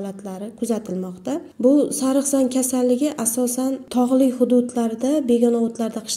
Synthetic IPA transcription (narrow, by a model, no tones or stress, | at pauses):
lat̪ʰlaɾɪkʰʊzat̪ʰɪlmɒqt̪abʊsaɾɨχsankʲʰasalːɪɡʲɪʔasɒsant̪ʰɒʁlˠɪkʲχʊd̪ʊd̪laɾɪd̪abe̞ɡɒnaot̪laɾd̪aqʰɨ̥ʃ